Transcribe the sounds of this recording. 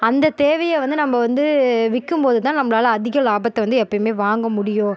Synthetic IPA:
ɐnd̪ɐt̪eːʋɐjɐʋɐnd̪ɯnɐmːɐʋɐnd̪ɯʋɪkːɯmpoːðɯt̪ãːnɐmːɐɭaːlɐːðɪɣɐlaːbɐt̪ːɐʋɐnd̪ɯɛpːɐmeːʋaːŋɡɐmʊɽɪjõː

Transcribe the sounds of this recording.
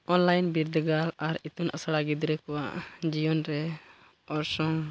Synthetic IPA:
ɔnlajnbiɾd̪ɡalaɾit̪unʔa̰saɽaɡid̪ɾɛkɔwaʔd͡ʒijɔnɾɛ | ɔɾsɔŋ

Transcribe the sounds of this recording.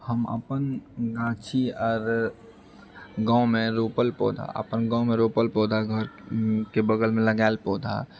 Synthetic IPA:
həmə̰pənɡãːt͡ʃʰiɔːɾ | ɡãʊ̃mẽɾoːpəlpɔ̰ːd̪ʱa̰ə̰pənɡãːʊ̃mẽɾoːpəlpoːd̪ʱaɡʱəɾkebəɡəlmẽləɡaːlpoːd̪ʱa̰

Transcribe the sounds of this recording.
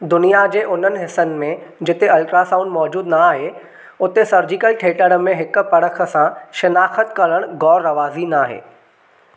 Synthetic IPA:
d̪ʊnijad͡ʑeːʔʊn̤ənɪ̆ɦɪsənɪ̆mẽd͡ʑɪt̪eɐlʈɾasãːʊ̃ɳɖmɔːd͡ʑuːd̪naaːɦe | ʊt̪esɐɾd͡ʑɪkəlʈʰeːʈəɽə̆mẽɦɪk̆pɐɽəkʰə̆sãʃɪnaːxət̪kɐɾəɽ̃ɡɔːɾːɐʋaːzinaːɦḛː

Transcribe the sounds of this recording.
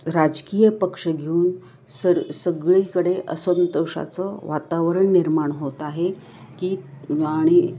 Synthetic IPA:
ɾad͡ʑkijəpəkʂəɡʱeuːn | səsəɡɭikəɽeʔəsənt̪əʂa̰t͡sɔʋat̪aʋəɾəɳːiɾmaɳɦot̪aɦe | kiːaɽ̃i

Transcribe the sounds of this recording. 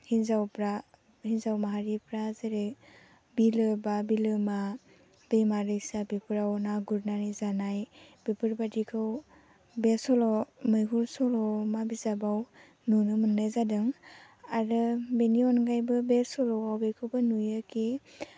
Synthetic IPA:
hinzawpɾa | hinzawmaɦaɾipɾazeɾe | bilɯbabilɯma | b̥ejmaɾɯjsabepɯɾawnaɡuɾnanizanajb̥epɯɾbadikʰɯw | besɔlɔmɯjkʰuɾsɔlɔmabizabaw | nunɯmɯndazadɯŋ | aɾɯbeniɔnɡajbɯbesɔlɔwawbekʰɯwbɯnujɯkʰe

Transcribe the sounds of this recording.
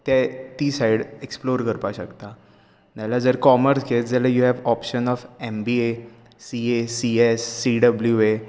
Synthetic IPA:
t̪jɛt̪iːsaiɽeksploɾkəɾpaɕəkt̪a | nalad͡zəɾkɔməɾsɡet̪̚d͡zɛlajuɦɛʋɔpɕənɔfembie | siesiesːiɖəbljue

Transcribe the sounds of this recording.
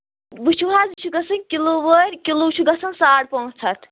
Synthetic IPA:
bɨt͡ʃʰuɦaːzbt͡ʃʰuɡɐsɨnkʲiloːʋəɾʲkʲiloːt͡ʃʰuɡɐsʰɐnsaːɽpoːt͡sʰɐt̪ʰ

